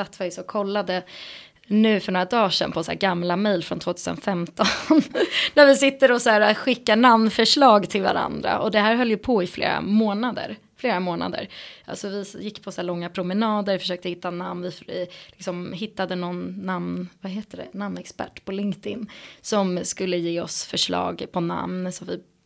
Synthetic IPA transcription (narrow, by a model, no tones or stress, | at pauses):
sat̪ːɛsɔkʰɔlːad̪ə | nʉ̟ːfœɳoːɾad̪ɑːʂɛ̰npʰɔsæ̰ɡamlamɛjlfɾɔnt̪ʰvoːt̪ʰʉːsə̰nfɛmt̪ɔ | næɾvɪsɪt̪ːəɾɔsæːɾaɧɪkːanamnfœʂɭɑːɡt̪ʰɪlva̰ɾa̰nd̪ɾa̰ʔɔd̪ɛɦæːɾɦœljɵpʰɔɪflḛːɾa̰moːnad̪ə̰ɾ | fleːɾamoːna̰d̪ə̰ɾa̰lsɔvɪjɪkːpʰɔsæːɭɔŋːapʰɾʊmɛnɑːd̪əɾfœ̥ʂøːkt̪əhɪt̪ːanamnvɪflɪksɔmhɪt̪ːad̪ənɔnːamnvaɦeːt̪əɖɛ̰namnɛkspæ̰ʈːpʰɔlɪŋkt̪ɪnːsɔmskɵlːəjeːɔsfœʂɭɑ̰ːɡpʰɔna̰mnsɔmvɪ̰